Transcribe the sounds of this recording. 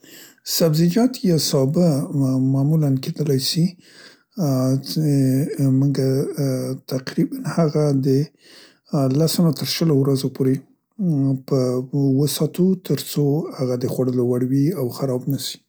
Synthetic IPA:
sabzid͡ʒɑt̪jɑsɑbəmɑmulanked̪əlajsi | muŋɡa | t̪aqɾibanhaɣad̪ə | lasanat̪əɾʃəlowɾazopʰoɾe | pəwəsɑt̪ut̪ʰəɾt͡sohaɣad̪əxwaɽəlowaɽwiawxaɾɑbnaʃi̥

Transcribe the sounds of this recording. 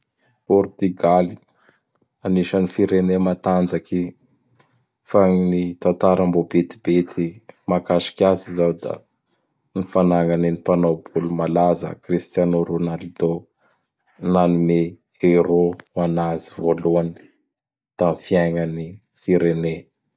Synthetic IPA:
pɔrt̪yɡali | aniʃənifiɾenemat̪and͡ʒaki | faŋnit̪ant̪aɾambobet̪i̥bet̪ʰimakaʃi̥kʲazizawd̪a̰ | nifanaŋaninipanobulumalazə̰krist̪janoɾunalid̪o | nanime | eɾowanazivoluani̥ | t̪amifiajŋani | fiɾene

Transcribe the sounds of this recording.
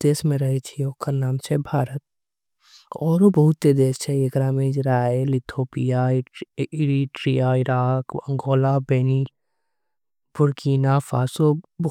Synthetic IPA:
d̪̥eːsmẽɾɐɦet͡ʃʰioːkəɾnaːmt͡ʃʰɛbʱaːɾət̪̚ | ɔːɾobɐɦʊt̪ːed̪eːst͡ʃʰɛekɾaːmẽd͡ʒɾaːelɪt̪ʰoːpija | ɪɾiʈɾijaɪɾaːkɐ̃ŋɡoːlabeni | bʊɾkiːnafaːsob

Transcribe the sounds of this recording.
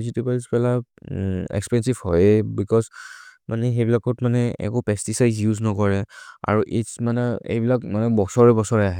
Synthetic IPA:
zitupalspɛla | ɛ̰kspɛnsivhɔjbikɔzmʔanɛxebilakɔtmanɛɛ̰kopɛstisajzjuznɔkɔɹɛa̰ɹuʔismanɛḛjbilakmanɛbɔsɔɹɛbɔsɔɹɛaɦɛ

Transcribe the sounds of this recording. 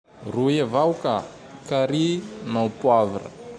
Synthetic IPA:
ruevawka | kaɾinawpuavaɾə̰

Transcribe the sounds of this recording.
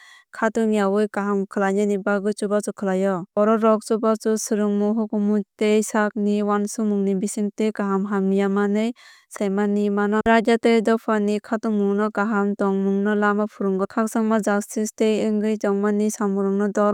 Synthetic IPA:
kʰatɯŋjawɯjkaɦamkʰɯlaɲɯnibaɡɯt͡ʃubat͡ʃɔkʰɯlajɔɔɾɔɾɔk̚t͡ʃubat͡ʃusɯɾɯŋmuɦɔkumutejsak̚niwansumuŋnibisiŋtejkaɦamɦamijamanɯj | sajmanimanɔɾad͡ʒatejdɔpʰanikʰatuŋmuŋnɯkaɦamtɔŋmuŋnɯlamapʰuɾɯŋɡɯkʰak̚saŋmazakstistejɯŋɡɯjd͡ʒɔŋmanisamuɾɯŋnɯdɔ

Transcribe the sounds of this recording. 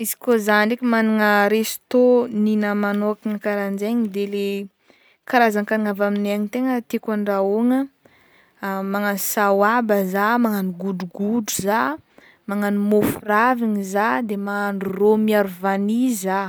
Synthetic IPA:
izi̥kozanɳɖ͡ʐekʲimaniŋəɾesi̥t̪oninəmanoakiŋəkaɾand͡ʒeɲid̪ele | kaɾazaŋkaniŋavaminaɲit̪eŋət̪ekaɳɖ͡ʐaoŋə | maŋanisawabəzamaŋaniɡuɖ͡ʐuɡuɖ͡ʐuza | maŋanimofuraviɲizad̪emaŋaɳuromiaɾuvaniza

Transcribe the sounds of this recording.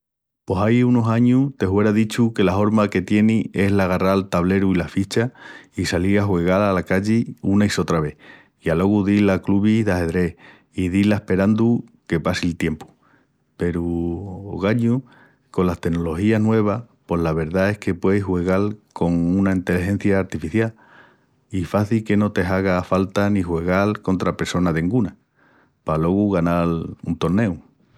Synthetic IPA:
po̞sajuno̞saɲut̪e̞hwe̞ɾaðit͡ʃuke̞laɦo̞ɾmake̞t̪je̞nie̞ɦlaɣaraɾlt̪aβle̞ɾuilafit͡ʃaisaliɾaɦwe̞ɣ̞alalakaʎiunaiso̞t̪ɾaβe̞h | ialo̞ɣuðilakluβihðahe̞ðɾe̞h | iðilaehpe̞ɾand̪uke̞pasilt̪je̞mpu̥ | pe̞ɾuo̰ɣaɲu | ko̞last̪e̞no̞lo̞hianwe̞β̞a | po̞ɦlaβ̞e̞ɾðae̞hke̞pwe̞jshwe̞ɣalko̞ŋũnaint̪e̞liɦẽ̞n̟θjaːɾt̪ifiθjal | ifaθilke̞no̞t̪e̞ɦaɣ̞afalt̪anĩhwe̞ɣ̞alko̞nt̪ɾape̞ɾso̞naðeŋɡuna | palo̞ɣuɣanalunt̪o̞ɾne̞w

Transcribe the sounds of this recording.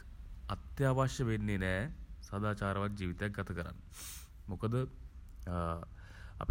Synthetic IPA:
ɐt̪jaːʋaːʃɐʋenːinesɐd̪aːt͡ʃaːɾɐʋaːd͡ʒiːʋit̪ejɡɐt̪ʰɐkɐɾa̰ːn | mukɐd̪ | ɐ̰p

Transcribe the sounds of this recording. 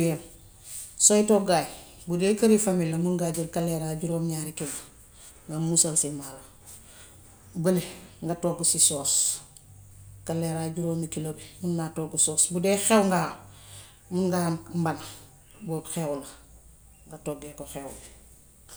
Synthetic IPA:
jem | sojtoɡaːj | budeːkɐɾifamilɐmuŋɡaɟiɾkalːeɾaɟuɾoːmɲaːɾikilo | ŋɡamusalsimala | bɐliŋɡatoːɡusisoːs | kalːeɾaɟuɾoːmikilobimunːatoɡusoːsbudeːxewŋɡa | muŋɡammbana | boːxewula | ŋɡatoɡekoxeːwṵbi

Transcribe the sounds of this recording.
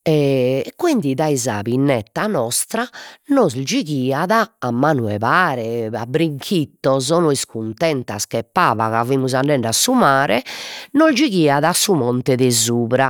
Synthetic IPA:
ɛkwind̪iðaiza̰βinːɛt̪ːanɔst̪ɾanɔzd͡ʒiɣiːaðaːmːaːnuɛ̰βaːɾɛabɾiŋkʰit̪ːɔzɔnɔiskunt̪ɛnt̪askɛpːaːva̰ɣavimuzaɳɖɛɳɖasumaːɾɛnɔzd͡ʒiɣiːaðaasːumɔnt̪ɛðɛzuːβɾa

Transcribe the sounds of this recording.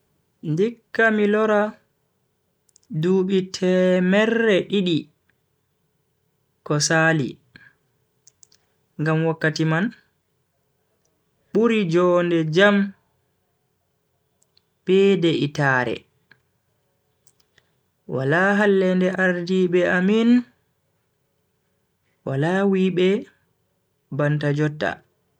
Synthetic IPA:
ndikːamilɔɾa | duɓitʰɛmɛrːɛɗiɗi | kɔsaːlḭ | ŋɡamwakːatiman | ɓuɾid͡ʒɔndɛd͡ʒam | b̥ɛːdɛʔitaɾɛ̰ | wa̰laɦalːɛndɛʔaɾdiɓɛamin | wa̰lawiɓɛ | bantad͡ʒɔtːa̰

